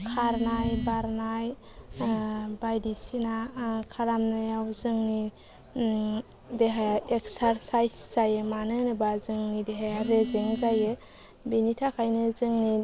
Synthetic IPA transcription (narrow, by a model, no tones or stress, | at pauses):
kʰaɾnajbaɾnaj | bajdisinakʰaɾamnajawzɯŋni | deɦajaeksaɾsajsz̥ajɯmanɯnɯbazɯŋnideɦajaɾezɯŋzajɯ | binitʰakʰajnɯzɯŋni